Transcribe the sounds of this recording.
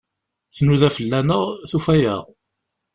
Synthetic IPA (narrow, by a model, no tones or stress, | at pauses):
θnuðæfəlːænəʁθufæjæ̰ʁ